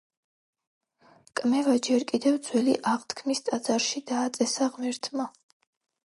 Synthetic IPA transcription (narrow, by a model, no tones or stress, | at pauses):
kʼmɛvad͡ʒɛɾkʼid̪ɛvd̪zwɛlḭʔaʁt̪ʰkʰmist̪ʼad̪zaɾʃid̪aːt̪sʼɛsaʁmɛɾt̪ʰma